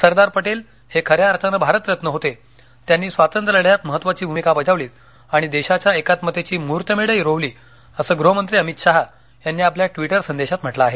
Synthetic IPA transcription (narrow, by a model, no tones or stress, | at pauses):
səɾd̪aɾpəʈel | hekʰəɾjaɾt̪anəbʱaɾət̪jət̪nəɦot̪e | t̪janːiːsʋat̪ənt̪ɾələɽjat̪məɦət̪ːʋat͡ɕiːbʱumikapəd͡ʑaʋliːt̪ | aɽ̃id̪eɕat͡ɕjaekat̪mət̪et͡ɕiːmuɾt̪jəmeɽəjɾoʋliː | əsəːɡɾoɦəmənt̪ɾiːəmit̪ɕaɦ | janːiːapljaʈʋiʈəɾsənd̪eɕat̪m̤əʈlaːɦe